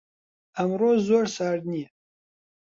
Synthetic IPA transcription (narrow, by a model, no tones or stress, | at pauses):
amroːzoːɾsaːɾd̪niɛ